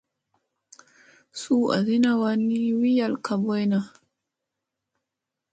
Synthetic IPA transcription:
suː˦ʔa̰˨zi˦na˦wa˦nːi˦wi˦ja˦˨lka˨bɔ˦jna˨

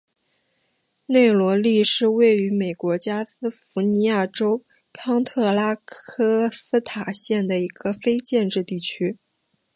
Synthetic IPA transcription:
ne˥˩ɪlwɔ˧˥li˥˧ʂɻ̩˥˧we˥˩ɪy˧˥me˨˩ɪkwɔ˧˥t͡ɕja˥sɹ̩˥fu˧˥ni˧˥ja˥˩ʈ͡ʂo˥ʊ | kʰɑ˥ŋt̪ʰɤ˥˩la˥kʰɤ˥sɹ̩˥t̪ʰa˨˩ɕjɛ˥˩nd̪ə˩i˧˥ɡ̥ə˧fe˥ɪt͡ɕjɛ˥˧nʈ͡ʂɻ̩˥˧t̪i˥˩t͡ɕʰy˥

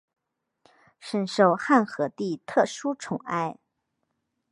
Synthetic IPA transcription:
ʂə˥nʂo˥˩˧ʊxa˥˩nxɤ˧˥t̪i˥˩t̪ʰɤ˥˩ʂu˥ʈ͡ʂʰʊ˨˩ŋa̰˥˧ɪ

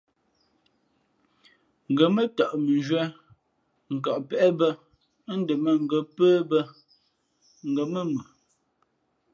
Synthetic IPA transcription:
ŋ̩˨ɡə˨mə˦ta˨ʔmə˨nd͡ʒwɛ˦ | ŋ̩˨ka˨ʔpɛ˦˨ʔɛ˦bə˦ | n̩˦də˨mə˨ŋ̩˨ɡə˨pəː˦bə˦ | ŋ̩˨ɡə˨mə˦˨mə˨

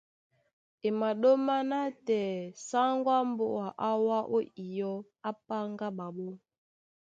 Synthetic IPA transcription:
e˨ma˨ɗo˦ma˦na˦tɛ˨sa˦ŋɡwa˦m˦bo̰˦˨a˨ʔa˦wa˦ʔo˦i˨jɔ˦ | a˦p̚a˦ŋɡa˦ɓa˨ɓo˦

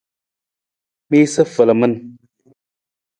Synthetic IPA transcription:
mi˦sə˦fə˨lə˨mə˦n

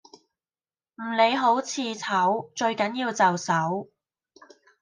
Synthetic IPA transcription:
m̩˨˩le˨˧jɦo˨˥wt͡sʰiː˨˧t͡sʰɐ˨˥wt͡ʃɵ˧ɥkɐ˨˥njiː˧wt͡sɐ˨wsɐ˨˥w

